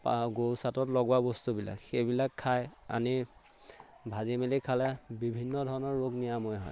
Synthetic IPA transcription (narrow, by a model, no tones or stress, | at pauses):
pɡowsatɔtlɔɡwabɔstubila̰kxejbilakʰːaja̰ni | bʱazimelikʰalɛbibʱinːɔdʱɔɹɔnɔɹːoɡnijamɔjɦɔ̰j